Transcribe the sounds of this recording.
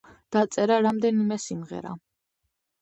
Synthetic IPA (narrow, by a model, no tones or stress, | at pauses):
d̪̥at̪sʼɛɾaɾamd̪ɛnimɛsimʁɛ̰ɾa̰